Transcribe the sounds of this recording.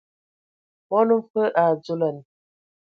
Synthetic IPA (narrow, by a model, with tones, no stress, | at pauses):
mɔ˦nu˦m̩˦fə˦ʔa˨d͡zu˦lə˨n˨